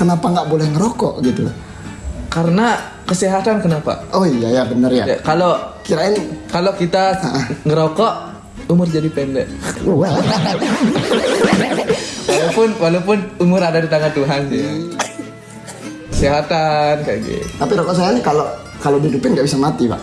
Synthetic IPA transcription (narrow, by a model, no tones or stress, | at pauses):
kənapaŋɡaʔbolɛhŋəɾokɔ̰ʔɡit̪u | kaɾəna | kəseɦat̪ankənapa̰ʔoijajabənəɾja̰ja̰kalokiɾaɪnkalokit̪aaʔəŋəɾokɔʔ | umʊrd͡ʒadipɛndɛ̰ʔwa | ɛnɛwalawpʊnwalawpʊnumʊɾadadit̪aŋant̪uɦand͡ʒḭ | kəseɦat̪ankad͡ʒḭt̪apiɾɔkɔʔs̬ajankalo | kalodidupɪnɡaʔbisamat̪iba̰ʔ